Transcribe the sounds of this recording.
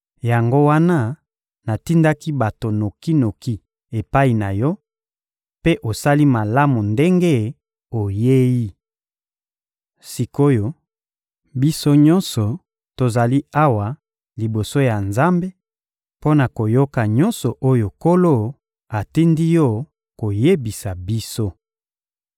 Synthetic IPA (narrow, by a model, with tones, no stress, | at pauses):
ja˨ŋɡo˦wa˦na˦ | na˨ti˦nda˦ki˦ba˨to˨no˨ki˦no˨ki˦ | e˨pa˦i˨na˨jɔ˦ | pe˦ʔo˨sa˦li˦ma˨la˦mu˨nde˦ŋɡe˦ | o˨je˦ji˦ | si˨ko˦jo˨ | bi˦so˦ɲɔ̃˦nsɔ˨ | to˨za˨li˦a˦wa˨ | li˨bo˨so˦ja˨nza˦mbe˦ | po˦na˨ko˨jo˦ka˨ɲɔ˦nsɔ˨ʔo˦jo˨ko˦lo˦˨ | a˨ti˦ndi˦jɔ˦˨ | ko˨je˦bi˨sa˨bi˦so˦